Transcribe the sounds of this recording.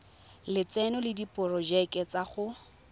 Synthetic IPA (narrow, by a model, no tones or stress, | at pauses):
lɪt͡sɛnɔlɪdipʼʊrɔd͡ʒakʼɛt͡saχʊ